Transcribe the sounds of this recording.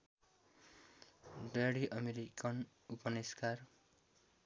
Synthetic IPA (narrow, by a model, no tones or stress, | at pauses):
ɖeɽiʔʌmeɾikʌn | upʌniskar